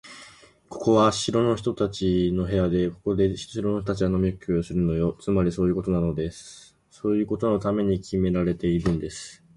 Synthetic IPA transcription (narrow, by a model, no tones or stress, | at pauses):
ko̞̥ko̞βaɕiɾo̞no̞çi̥t̪o̞t̪at͡ɕino̞ɦe̞jad̪e̞ko̞̥ko̞d̪e̞ɕiɾono̞ɕot̪at͡ɕiβano̞mʲikːiosɨɾɯ̟no̞jo̞t͡sɨmaɾʲiso̞ːjɯ̟ko̞t̪o̞nano̞d̪e̞sɨ̥ | so̞ːjɯ̟ːko̞t̪o̞no̞t̪ame̞ɲ̟ikʲʰime̞ɾaɾe̞t̪e̞iɾɯ̟̃nd̪e̞sɨ̥